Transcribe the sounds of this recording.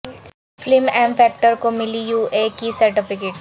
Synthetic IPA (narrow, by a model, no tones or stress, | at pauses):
flɪmɛ̃ːmfɛːk̚ʈəɾkomɪlijuːʔeːkisɐɾʈɪfɪkeːʈ